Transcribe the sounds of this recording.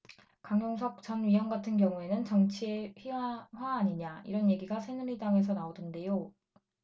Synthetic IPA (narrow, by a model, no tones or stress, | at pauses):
kaŋjoŋsʰʌk̚t͡ɕʌnɥiɦʌŋɡatʰɯnkjʌŋue̞nɯnt͡ɕʌŋt͡ɕʰieɸiaɸwaːɲiɲaḭɾʌnje̞ɡiɡasʰenuɾidaŋe̞sʰʌnaodɯnde̞jo